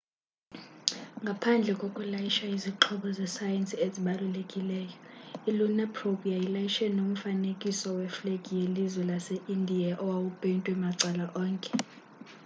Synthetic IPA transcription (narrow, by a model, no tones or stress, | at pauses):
ŋɡʱapʰand͡ɮʱɛkʼokʼulajiʃaiziǁʰɔɓɔzɛsajensʼieziɓalulekʼilɛːjɔilunɛpʰropʼiajilajiʃɛnom̩fanekʼisɔwɛflekʼijelizwɛlasɛʔindʱiaʔɔwawupʼentʼwɛmaǀɛlaʔɔːŋkʼɛ